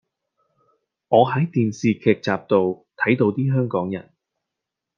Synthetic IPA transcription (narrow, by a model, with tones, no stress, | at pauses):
ŋɔː˨˧ɦɐ˨˥jt̪iː˨nsiː˨kʰɛː˨˩k̚t͡saː˨p̚t̪o˨wt̪ʰɐ˨˥jt̪o˧wt̪iː˥ɦœː˥ŋkɔː˨˥ŋjɐ̰˨˩n